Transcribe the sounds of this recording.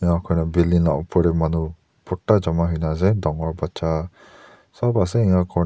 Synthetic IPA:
ɛŋakʰɔjnabilinlaʔpʰɔɾɛmanu | pɔʈːad͡ʒamaɦɯjnazɛdɔŋɔɾbat͡ʃʰa | sɔbasɛiŋakʰɔ

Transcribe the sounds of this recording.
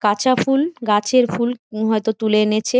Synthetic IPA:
kat͡ɕʰafʰulɡat͡ɕʰeɾfulɦɔet̪ot̪uleenet͡ɕʰe

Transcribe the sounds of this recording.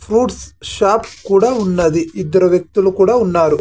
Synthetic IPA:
pʰɾuːʈsʃaːpkuːɽaːunːɐd̪iid̪ːɐɾɐʋjɐk̚t̪ulukuːɽaːunːaːɾu

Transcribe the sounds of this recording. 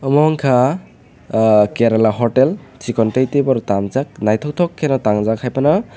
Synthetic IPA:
ɔmɔŋkʰa | keɾɔlaɦɔʈelt͡ʃikɔntejtebɔɾtamzak̚najtʰɔk̚tʰɔkʰːenɔtaŋzakʰajpanɔ

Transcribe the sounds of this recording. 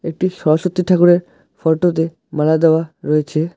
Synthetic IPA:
ek̚ʈiʃɔɾoʃot̪ːiʈʰakuɾeɾ | fɔʈot̪̬e | malad̪eoaɾɔjet͡ɕʰe

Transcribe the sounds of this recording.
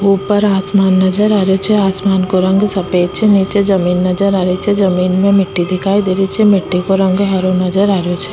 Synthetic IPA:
ɦuːpɐɾaːsmaːnːɐd͡ʒəɾaːɾjot͡ʃʰɛaːsmaːnkoɾɐ̃ŋɡsɐpeːt͡ʃʰenit͡ʃed͡ʒɐmiːnːɐd͡ʒəɾaːɾit͡ʃʰɛzɐmiːnmẽmɪʈːid̪ɪkʰaːid̪eːɾit͡ʃʰemɪʈːikoɾɐ̃ŋɡɦɐɾonɐd͡ʒəɾaːɾjot͡ʃʰɛ̥

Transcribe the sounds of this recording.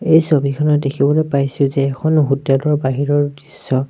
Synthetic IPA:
ejsobʱikʰɔnɔtdekʰibɔlojpajsʊzɛːkʰɔnɦutalɔɹbaɦiɹɔɹdisːɔ

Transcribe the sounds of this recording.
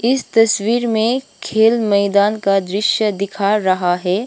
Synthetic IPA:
ɪst̪ɐswiːɾmẽkʰeːlmɛɪd̪aːnkad̪ɾɪʃjəd̪ɪkʰaɾɐɦaɦɛː

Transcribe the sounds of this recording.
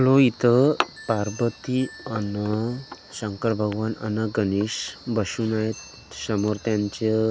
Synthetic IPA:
loit̪əpaɾbət̪iənə | səŋkəɾbʱəɡʋanə̰nəɡəniɕbəɕuːnajet̪ | səmoɾt̪jãɲt͡ɕe

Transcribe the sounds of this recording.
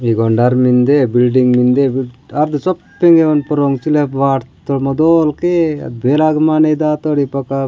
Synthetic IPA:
iɡɔɳɖaɾmind̪ebilɖiŋɡmind̪ebiɐɾd̪ut͡ʃɔpːeŋɡeʋɐnpɔɾoŋt͡ʃilepʋaːʈt̪ːoɽmɐd̪oːlkeɐ̰d̪̚beːlaɡmanejd̪aːt̪oɽipɐka

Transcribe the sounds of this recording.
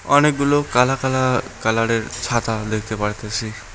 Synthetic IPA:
ɔnek̚ɡulokalakalakalaɽeɾt͡ʃʰat̪ad̪ekʰi̥t̪epaɽit̪asʰi

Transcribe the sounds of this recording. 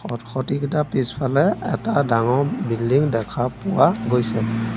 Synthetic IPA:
ɔtxʰɔtiktapispʰalɛɛ̰tadaŋɔbildiŋdɛkʰapuwaɡojsɛ

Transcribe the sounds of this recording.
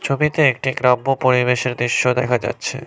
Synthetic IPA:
t͡ɕʰobit̪eek̚ʈiɡɾabːopoɾiβeʃeɾd̪ɾiʃːod̪ɛkʰad͡ʑa̰tːɕʰḛ

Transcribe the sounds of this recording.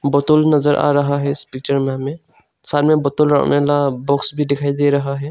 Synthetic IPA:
bɐt̪ʊlnɐzəɾʔa̰ːɾɐɦaɦɛɪspik̚t͡ʃəɾmẽmẽ | saːlmẽbɐt̪ʊlɾa̰nelabɔːksbʱid̪ɪkʰaːid̪eːɾɐɦaɦɛː

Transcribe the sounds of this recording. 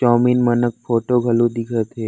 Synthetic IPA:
t͡ʃɔːminmənək̚fʰoːʈoɡʱəlũd̪ɪkʰət̪ɦeː

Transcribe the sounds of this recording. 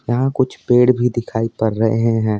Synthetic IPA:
jɐɦãkʊt͡ʃʰpeːɽbʱid̪ɪkʰaːipɐɾːɐɦeɦẽɦɛ̃ː

